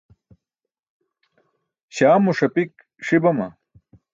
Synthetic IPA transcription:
ɕaːmuʂɐpik | ʂibɐmɐ̰

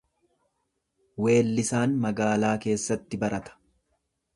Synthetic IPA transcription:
we̞ːlːɪsaːnmɐɡaːlaːke̞ːsːɐt̪ːɪbɐɾɐt̪ɐ̥

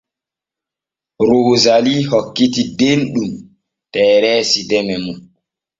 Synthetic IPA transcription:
ɾoːzalihokːitidenɗum | tɛːɾɛːsidɛmɛmun

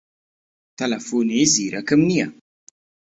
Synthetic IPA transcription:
t̪ɐlɐfuːniziːɾɐkɪmnijɐ̰

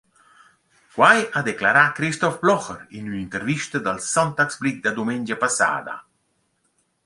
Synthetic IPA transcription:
kwajad̪eklaɾakɾist̪ɔfblɔxəɾinynint̪əɾviʃt̪əd̪alsɔnt̪aksblik̚d̪ad̪umɛnʲd͡ʒapasa̰ːd̪a̰

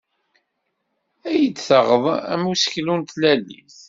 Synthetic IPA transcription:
æjəd̪θəʁəðˤæ̰musə̥çlunt̪lælːḭθ

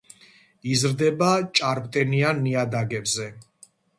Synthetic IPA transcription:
izɾd̪ɛbat͡ʃʼaɾpʼt̪ʼɛnianːiad̪aɡɛbzɛ

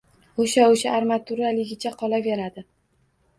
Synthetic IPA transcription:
oʃaoʃaːɾmat̪ʰʊɾalɪɡʲɪt͡ʃʰaqʰɒlaveɾad̪ɪ

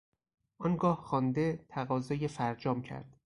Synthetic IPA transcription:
ʔɒnɡɒːhxɒːnd̪e̞t̪ʰæɣɒːzɒːjefæɾd͡ʒɒːmcʰæ̰ɾd̪̥

